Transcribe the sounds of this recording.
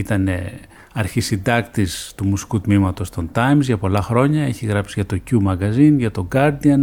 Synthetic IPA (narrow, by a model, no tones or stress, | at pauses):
it̪ɐne̞̰ | ɐɾçisind̪ɐkt̪ist̪umusi̥kut̪mimɐt̪o̞st̪o̞nt̪ɐjmzʝɐpo̞lɐxɾo̞ɲɐe̞çiɣɾɐpsiʝɐt̪o̞cumɐɣɐzinʝɐt̪o̞ɡɐɾd̪iɐn